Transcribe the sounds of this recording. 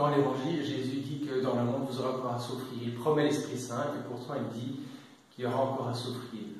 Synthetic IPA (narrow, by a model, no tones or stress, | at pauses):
ɑ̃levɑ̃ʒilʒezyd̪ikəd̪ɑ̃ləmɔ̃d̪vuzɔʁeɑ̃kɔʁɛ̃sufχiʁilpχɔmɛlɛspχisɛ̃kəpuʁt̪ʰɑ̃ild̪i | kiljɔʁaɑ̃kɔʁɛ̃sufχi